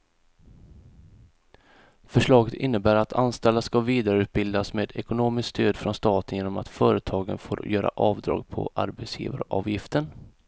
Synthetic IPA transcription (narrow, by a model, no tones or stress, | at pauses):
fœʂɭɑːɡət̪ʰɪnːəbæːɾat̪ʰanst̪ɛld̪askaviːd̪aɾəʉ̟ːt̪̚bɪld̪asmeːd̪ɛkʊnoːmɪskst̪ʰøːd̪fɾɔnst̪ɑːt̪ənjeːnɔmat̪fœːɾət̪ʰɑːɡə̰nfo̰ːɾjœːɾa̰ʔɑːvd̪ɾɑ̰ːɡpʰɔ̰ʔa̰ɾbɛt̪sjḭːvaɾʔɑ̰ːvjɪft̪ən